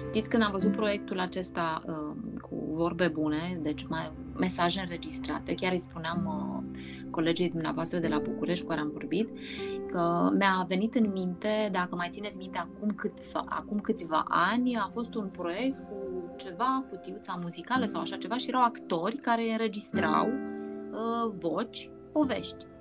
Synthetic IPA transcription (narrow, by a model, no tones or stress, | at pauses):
t̪it̪sʲkɨnd̪amvəzut̪̚pɾo̞je̞k̚t̪ulat͡ʃe̞st̪aəkʰṵvo̞rbe̞bune̞d̪e̞t͡ʃʲma | me̞saʒeɨnɾe̞d͡ʒist̪ɾa̰t̪e̞kʲaɾɨjspuneamə | ko̞le̞d͡ʒe̞jd̪umnea̰voast̪ɾəd̪e̞labukuɾe̞ʃt̪ʲkukaɾeamvo̞̰rbit̪ | kəmeave̞nit̪ɨnmint̪e̞d̪akəmajt̪sinet̪sʲmint̪e̞akumkɨt̪va̰a̰kumkɨt̪sʲva̰ʔanʲafo̞st̪unpɾo̞je̞k̚t̪̚kut͡ʃe̞vakut̪iut̪samuzikaləsawaʃat͡ʃe̞vaʃije̞ɾawakt̪o̞rʲkaɾe̞ɨnɾe̞d͡ʒist̪ɾa̰w | əvo̞t͡ʃʲ | po̞ve̞̰ʃt̪ʲ